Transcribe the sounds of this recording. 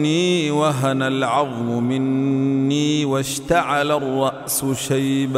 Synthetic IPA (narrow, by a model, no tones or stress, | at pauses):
niːwaɦanalʕɑðˤmʊmɪnːiːwaʃt̪aʕalarˤːɑʔsʊʃajb